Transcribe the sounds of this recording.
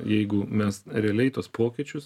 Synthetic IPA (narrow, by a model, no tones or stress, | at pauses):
jɛɪɡʊmʲɛsɾʲɛɐlʲɛɪt̪oːspoːkʲit͡ʃʲʊs